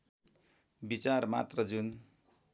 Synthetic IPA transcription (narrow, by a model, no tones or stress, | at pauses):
bit͡sarma̰t̪rʌd͡zun